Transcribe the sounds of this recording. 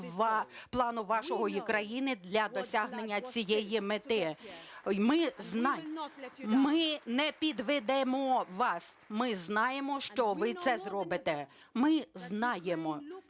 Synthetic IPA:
plˠɑnʊʋɑʃɔɦɔjikɾɐjinɪd̪lʲɐd̪ɔsʲaɦnenʲːɐt͡sʲijɛjimet̪ɪ | mɪznɑ | mɪnɛpʲid̪ʋɪd̪ɛmɔʋɑsmɪznɑjemɔʃt͡ʃɔʋɪt̪sɛzrɔbɪt̪e | mɪznɑjemɔ

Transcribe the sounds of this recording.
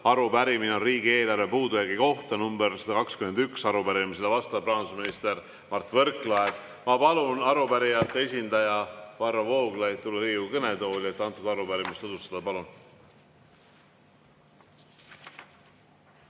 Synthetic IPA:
ɑɾupæɾimineonriːɡie̞ːlɑrve̞puːd̪ujɑɡiko̞ht̪ɑnumbeɾsed̪̥ɑkɑkskyme̞nd̪yksɑɾupæɾimis̬elevɑst̪ɑprɑnsuminist̪e̞r | mɑrt̪ːˑvɤ̞ɾkˑlɑed̪̥ | mɑpɑlunɑɾupæɾijɑt̪ːeesʲind̪̥ɑjɑvɑrːɑvo̞ːɡlɑjtt̪ːulːeɾiːukɤne̞t̪o̞ːlʲiet̪ːˑɑnt̪ːˑud̪ɑɾupæɾimist̪od̪ust̪ɑd̪̥ɑpɑlun

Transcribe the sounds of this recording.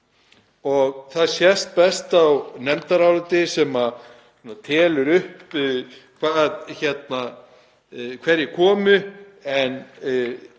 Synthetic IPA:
ɔɣθaðsjɛst̪̚pɛst̪awnɛmt̪aɾawlʏt̪ɪsɛma | ɛnat̪ʰɛːlʏɾʏhp | kʰvaðçɛt̪na | kʰvɛɾjɪkʰɔːmʏ | ɛn

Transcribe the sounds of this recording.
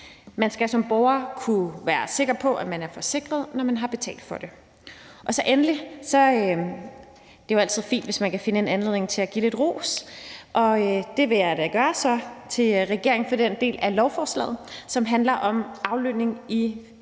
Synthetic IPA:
mænsɡ̥æsɒ̽mb̥ɒʊɐkʰuʋæːɐse̝ɡ̥ʁɐpʰɒ̽ʔæmænæɐfɒ̽se̝ɡ̥ʁɐð̞ˠnɒmænɦɑ̈b̥e̝t͡sʰɛ̰ːld̥fɒ̽d̥e̝ | ʔɒ̽sɒ̽ʔenəlisɒ̽ | d̥e̝jo̝ælt͡sʰið̞̰ˠfḭːnd̥ʋe̝smænkʰæfe̝nəe̝nænle̝ð̰ˠne̝ŋt͡sʰe̝læɡ̥iːle̝d̥ʁo̝̰ːsʔɒ̽ød̥e̝ʋejɑd̥æɡ̥ɶːɐsɒ̽t͡sʰe̝lʁɛɡ̥e̝ɐ̰eŋ̩fɒ̽d̥end̥e̝̰ːlælɒʊfɒːslɛ̰ːð̩ˠsɒ̽mɦænlɐʔɒ̽mʔɑ̈ʊløne̝ŋi

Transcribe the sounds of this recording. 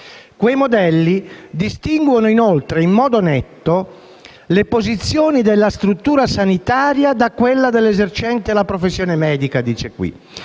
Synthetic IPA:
kwejmod̪ɛlːid̪ist̪iŋɡwonoinolt̪ɾeimːɔːd̪onɛt̪ːo | lepozit̪sːjoːnid̪elːast̪ɾut̪ːuːɾasanit̪aːɾjad̪akwelːad̪elːezert͡ʃɛnt̪elapɾofesːjɔːnemɛːd̪ikad̪iːt͡ʃekwḭ

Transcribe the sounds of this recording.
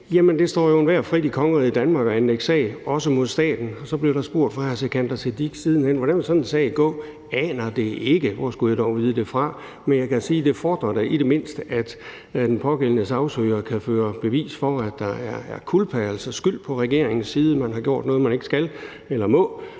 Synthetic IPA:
jæmənd̥e̝sd̥ɒ̰ːjo̝enʋæɐfʁid̥ikʰɒ̽ŋəɐð̩ˠid̥ænmɑ̈ːɡ̥ɒænleɡ̥sɛ̰ɪɒ̽səmo̝ðˠsd̥ɛ̰ːd̥n̩ɒ̽sɒ̽b̥le̝ʊɾ̥ɑ̈sb̥o̝ɐ̰d̥fʁɑ̈æsʰekʰænd̥ɐsʰed̥iɡ̥siːð̞ˠn̩hen̰ʋɒɾænʋelsɒ̽nensɛ̰ːɪɡ̥ɔ̰̽ː | ɛːnɐd̥e̝e̝ɡ̥əʋɒ̰sɡ̥ujad̥ɒʊ̰ʋiːð̞ˠəd̥e̝fʁɑ̈ | menjɑɪkʰæsiːd̥e̝fɒːd̥ʁɐd̥eʔiɾ̥e̝me̝n̰sd̥əʔæd̥ | d̥enpʰɒ̽ɡ̥el̰ənəsɑ̈ʊsøːɐkʰæføːɐb̥e̝ʋḭːsfɒæd̥ːɑ̈æɐæɐkʰulpʰæɐl̩sɐsɡ̥yl̰pʰɒ̽ʁɛɡ̥e̝ɐe̝ŋn̩siːð̞ˠəmænɦɑ̈ɡ̥jo̝ɐ̰d̥nɔ̽ːð̞̩ˠmæne̝ɡ̥sɡ̥æl | elɐmɔ̽

